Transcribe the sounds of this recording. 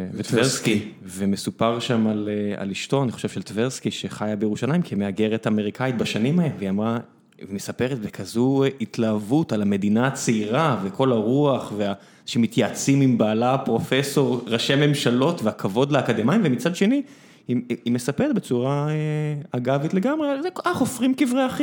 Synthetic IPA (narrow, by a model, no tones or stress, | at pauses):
vet̪vveskivemesupaʁʃamalea̰liʃto̞aniχo̞ʃevʃelt̪veʁskiʃeχajabejeʁuʃalaimkimeaɡeʁe̞tame̞ʁikʰait̪̚baʃanimaelveiamʁa | vmesapeʁet̪ve̞kʰazuitlaːvutalame̞d̪inat͡seiʁavekʰo̞laʁuaχvea | ʃemit̪jat͡simimbaːlapʁo̞feso̞ʁʁaʃeme̞mʃalo̞tveakʰavo̞dlaakad̪emaimvemit͡sad̪ʃe̞ni | hiime̞sapeʁet̪̚be̞t͡suʁaeaɡavit̪le̞ɡamʁealzekaχofʁimkivʁeaχi